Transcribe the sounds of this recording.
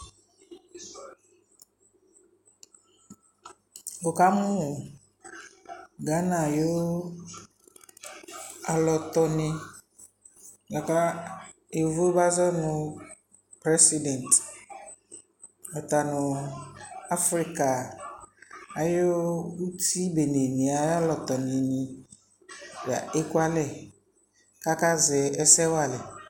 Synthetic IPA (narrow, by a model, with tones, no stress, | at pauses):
bo˨ka˦mʊ̃˦˨ | ɡa˨˦nã˨jo˦ | a˨lɔ˨t̪ɔ˨nɪ̃˦ | ɡa˨ka˦ | e˨vo˦ba˦zɔ˦nʊ̃˨ | pɾɛ˦si˦dɛ̃˨n˨t | ɔ˨t̪a˨nʊ̃˨ | a˦fɾi˦ka˨ | a˨jo˦u˦ti˦be˨ne˨nĩ˨a˨jlɔ˨t̪ɔ˨nɪ̃˨nĩ˨ | ba̰˨e˦kwa˦lɛ˨ | ka˦ka˦zɛ˨ɛ˦sɛ˦wa˦˨lɛ˨